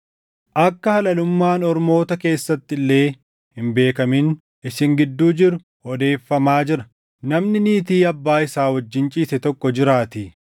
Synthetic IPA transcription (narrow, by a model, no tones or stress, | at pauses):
ʔɐkːɐhɐlɐlʊmːaːnɔɾmo̞ːt̪ɐke̞ːsːɐt̪ːɪlːe̞ː | hɪmbe̞ːkɐmɪn | ɪsɪŋɡɪd̪ːuːd͡ʒɪɾʊ | hɔd̪e̞ːfːɐmaːd͡ʒɪɾɐ̥ | nɐmnɪniːt̪iːɐbːaːɪsaːwɐd͡ʒːɪnt͡ʃʼiːsɛt̪ɔkːɔd͡ʒɪɾaːt̪ɪ